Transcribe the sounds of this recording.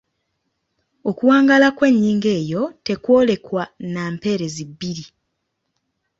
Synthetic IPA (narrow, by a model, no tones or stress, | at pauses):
o̞kuwaːŋɡalakwe̞ɲːiːŋɡe̞ːjo̞te̞kwo̞ːle̞kwanaːmpe̞ɾe̞zibːiɾi